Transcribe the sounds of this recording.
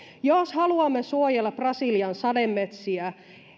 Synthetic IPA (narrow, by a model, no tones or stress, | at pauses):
joshɑluɑmːesuojelːɑprɑsiːliɑnsɑdemːet̪siæ